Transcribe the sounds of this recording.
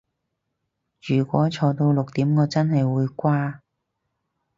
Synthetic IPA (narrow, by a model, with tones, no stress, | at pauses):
ɥyː˨˩kʷɔ̰ː˨˥t͡sʰɔː˧t̪o˧wlʊ˨k̚t̪iː˨˥mkɔː˨˧t͡sɐ˥nɦɐ˨jwuː˨˧jkʷaː˥